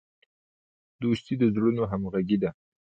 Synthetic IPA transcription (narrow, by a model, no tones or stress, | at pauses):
d̪ost̪id̪əzɽunoɦamɣaɡid̪a